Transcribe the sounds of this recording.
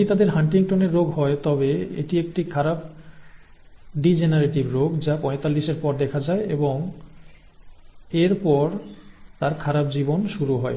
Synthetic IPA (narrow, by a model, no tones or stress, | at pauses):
it̪ad̪eɾɦaɳʈiŋʈoneɾːoɡɦɔet̪ɔbeḛʈiek̚ʈikʰaɾab̚ | ɖid͡ʑenaɾeʈibɾoɡd͡ʑapɔ̃et̪alːiʃeɾpɔɾd̪ɛkʰad͡ʑaeʔeboŋ | eɾpɔɾt̪aɾkʰaɾab̚d͡ʑibonʃuɾuɦɔe